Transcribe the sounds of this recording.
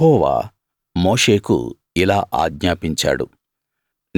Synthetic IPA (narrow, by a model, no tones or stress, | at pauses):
ɔːʋa̰ː | moːʂe̞ːkṵ | ilaːʔa̰ːɡɲaːpiɲt͡ʃa̰ːɽṵ | n